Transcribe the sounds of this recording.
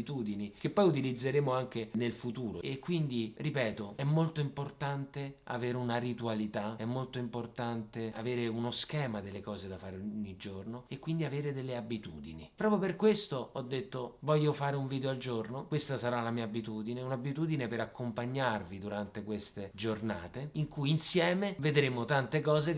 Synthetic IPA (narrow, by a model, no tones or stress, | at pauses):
t̪uːd̪inik̟epːɔjut̪̬ilid̪zːeɾeːmoaŋk̟enelfut̪uːɾo̰ekːwind̪iripɛːt̪oɛmːolt̪oimport̪ant̪ea̰veːɾeunaɾit̪ualit̪aɛmːolt̪oimport̪ant̪eaveːɾeunoskɛːmad̪elːekɔːzed̪afaːɾeoɲːid͡ʒornoekːwind̪iaveːɾed̪elːeabit̪ṵːd̪inipːɾɔːpjoperkwest̪oɔd̪ːet̪ːovɔʎːofaːɾeuɱviːd̪eoald͡ʒornokwest̪asaɾalamiːabit̪uːd̪ineunabit̪uːd̪inepeɾakːompaɲːarvid̪uɾant̪ekwest̪ed͡ʒornaːt̪eiŋkujinsjɛːmeved̪ɾemot̪ant̪ekɔːze